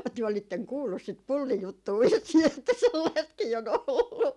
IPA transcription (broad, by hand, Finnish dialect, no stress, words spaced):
tyø olitːeŋ kuːlːus sit pulːijutːuː ʋisːiː etːæ selːɑistkiː on olːu